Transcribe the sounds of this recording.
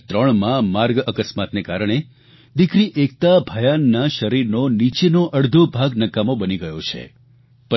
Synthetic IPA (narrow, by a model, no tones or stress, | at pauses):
t̪ɾəɳmãmaɾɡəkəsmat̪nekaɾəɽ̃e | d̪ikɾiʔek̚t̪abʱəjanːaʃəɾiɾnonit͡ʃenoʔəɽd̪ʱobʱaɡnəkamõbəniɡəjot͡ʃʰḛ | p